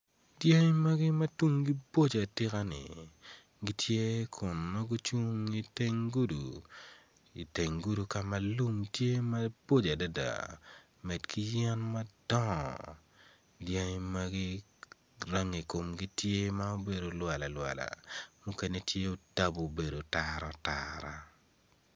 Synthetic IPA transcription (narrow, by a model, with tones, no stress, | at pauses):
dja˦ŋ˦mɐ˦ɡi˦mɐ˦tu˦ŋɡi˦bo˦d͡ʒa˨tɪ˦ka˦nɪ̰˨ | ɡi˦tʰje˦kʰʊ˨nma˦ɡu˦t͡ʃu˦ŋi˦te˦ŋɡu˦dṵ˨ | i˨te˨ŋɡu˦du˨ka˨mɐ˨lu˦mtje˦mɐ˦bo˦d͡ʒa˨da˦da̰˨ | mɛ˨dkʰi˦jɛ˦nmɐ˦d̥ɔ˦ŋ̰˨ | dja˦ŋma˦ɡi˦ | ra˦ŋi˨ko˨mɡi˦tje˦ma˦o˦be˨do˨lwa˨la˨lwa̰˨la̰˨mʊ˦kɛ˦ne˦tʰje˦o˦ta˦bo˨be˨do˨taɾɔ˦taɾa˨